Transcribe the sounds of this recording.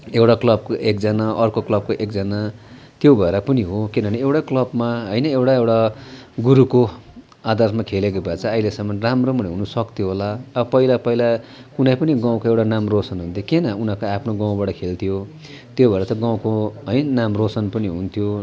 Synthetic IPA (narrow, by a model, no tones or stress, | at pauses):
ewʈaklʌb̚koʔekd͡zʌnaʔʌrkoklʌb̚koʔek̚d͡zʌna | t̪jobʱʌeɾʌpʌniɦokinʌneewʈaklʌbmaɦʌjnʌewʈaewʈaɡuɾuko | ad̪ʌrsmakʰelek̬obʱat͡sʰʌːilesʌmːʌnramromʌniɦunusʌkt̪joɦolaʌbʌpʌilapʌilakunajpʌniɡãw̃koewʈanamrosʌnɦunt̪ʰjokenʌunakoapʰnoɡãw̃baʈʌkʰelt̪ʰijo | t̪jobʱʌeɾʌt̪ʌɡãw̃koɦʌjnamrosʌnpʌniɦunt̪ʰjo